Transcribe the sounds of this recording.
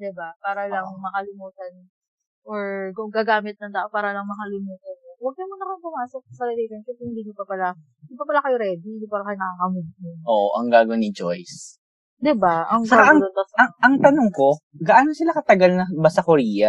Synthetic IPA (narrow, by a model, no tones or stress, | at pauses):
d̪ɪbapaːɾɐlɐŋmɐkɐlɪmuːt̪ɐn | ʔoɹkʊŋɡaɡaːmɪt̪̚nɐŋd̪aːʔopaːɾɐlɐŋmɐkɐlɪmuːt̪ɐnwɐɡ̚nɐmʊnɐkoŋpʊmaːsok̚sɐlɐlejk̪ɐnkɛshɪnd̪iːɲʊpɐpɐla | ɪbapɐlakɐjoɾɛːd̪id̪ɪpaːɾɐkɐjonɐkakɐmʊd̪̚ɲʊnʔoːʔoʔɐŋɡaːɡonɪd͡ʒojs | d̪ɪbaʔɐŋsaɾaɐŋɐŋʔɐŋt̪ɐnoŋko̞ɡɐʔaːnosɪlakɐt̪ɐɡalnɐbɐsɐkoɾiːjɐ